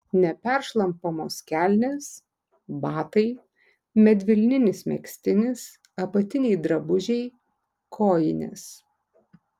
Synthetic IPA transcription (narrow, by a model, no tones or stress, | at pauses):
nʲɛpʲɛɾʃlˠɐmpoːmoːsʲkʲælʲnʲes | bɑːt̪ɐɪ | mʲɛd̪ʲʋʲɪlʲnʲɪnʲɪsmʲɛ̰ksʲt̪ʲɪnʲɪs | ɐpɐt̪ʲɪnʲɛɪd̪ɾɐbʊʒʲɛɪ | kʰoːjɪnʲɪ̰s